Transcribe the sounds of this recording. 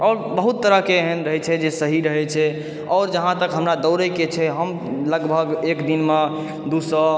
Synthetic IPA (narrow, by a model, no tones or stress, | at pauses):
ɔɾbəɦut̪ːəɾəɦkeeɦənɾəɦɛt͡ʃʰɛd͡ʒesəɦiɾəɦɛt͡ʃʰɛ | ɔːɾd͡ʒəɦãt̪əkɦəmɾad̪ɔʊɾəket͡ʃʰɛɦəm | ləɡbʱəɡekd̪inme | d̪usə